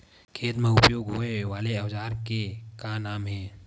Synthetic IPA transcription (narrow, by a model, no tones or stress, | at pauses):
kʰeːt̪mẽʊpjoːɡɦoːeʋaːleɐʋd͡ʒaːɾkekanaːmɦɛː